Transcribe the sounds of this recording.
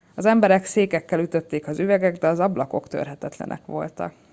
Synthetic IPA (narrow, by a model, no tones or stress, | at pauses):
ɒzɛmbɛɾɛkseːkɛkːɛlyt̪ø̞t̪ːeːkɒzyvɛɡɛɡd̪ɛɒzɒblɒko̞kt̪ø̰rɦɛt̪ɛt̪lɛ̰nɛ̰kʋo̞̰lt̪ɒ̰k